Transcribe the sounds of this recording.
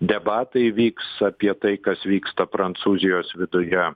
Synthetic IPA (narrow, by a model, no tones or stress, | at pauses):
d̪ʲɛbɑːt̪ɐɪʋʲiːksɐpʲiɛt̪ɐɪkɐsʋʲiːkst̪ɐpɾɐnt̪suːzʲɪjoːsʋʲɪd̪ʊjɛ